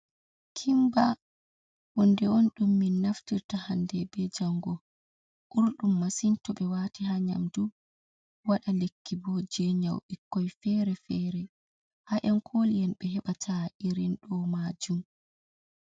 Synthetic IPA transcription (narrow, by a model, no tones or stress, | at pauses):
kʰimba | ʔɔndɛonɗumːinːaftiɾtahandɛbɛd͡ʒaŋɡɔ | ʔuɾɗumːasintɔɓɛwatiɦaɲa̰mdu | waɗalekʰːibɔd͡ʒɛɲawɓikːɔjfɛɾɛfɛɾɛ | haʔɛnkʰolijɛnɓɛhɛɓatʰaʔiɾinɗɔmaːd͡ʒum